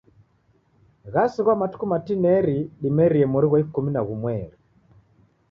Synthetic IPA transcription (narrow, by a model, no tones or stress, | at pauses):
ɣasiɣwamatu̥kumatinɛɾiɗimɛɾiɛmuɾiɣwɔikuminaɣumwɛɾi